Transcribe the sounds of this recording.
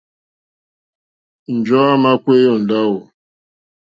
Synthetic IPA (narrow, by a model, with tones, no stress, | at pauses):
n̩˨d͡ʒɔ˦a˦ma˦kʷe˦jɔ˦˨n̩˨da˦wʊ˨